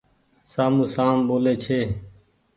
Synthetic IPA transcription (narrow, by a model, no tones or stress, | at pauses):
saːmũːsaːmboːleːt͡ʃʰeː